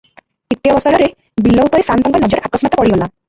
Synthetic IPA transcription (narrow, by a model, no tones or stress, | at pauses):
it̪ːijɔbɔsɔɾɔɾe | bilːɔupɔɾesant̪ɔŋɡɔnɔd͡ʒɔɾʔakɔsɔnɔt̪ɔpɔɽiɡɔla